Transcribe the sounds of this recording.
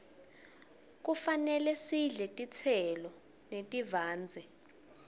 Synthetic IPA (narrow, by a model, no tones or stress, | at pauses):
k̬ufanɛlɛsiɮɛtʼit͡sʰɛlɔ | netʼivaːnd͡zʱɛ